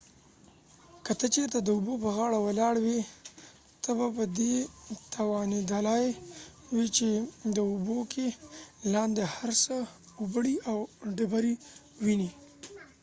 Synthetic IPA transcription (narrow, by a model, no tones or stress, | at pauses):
kət̪ət͡ʃeɾt̪ad̪əubopəɣɑɽawalɑɽwi | t̪əbapəd̪et̪ʰawɑnid̪alɑjwit͡ʃed̪əubokʰelɑnd̪ehaɾsə | ubəɽiʔawɖabaɾi | wini